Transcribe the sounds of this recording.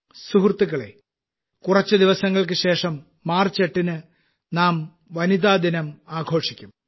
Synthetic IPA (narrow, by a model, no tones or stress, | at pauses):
suɦrt̪ːuɣɐɭe | kurɐt͡ɕːɨd̪iʋɐsɐŋːɐɭk̬ɨɕe̞ːʂɐmː | aːrt͡ɕeʈːinɨ | naːm | ʋɐnid̪aːd̪inɐmaːɡʱo̞ːʂikʲːum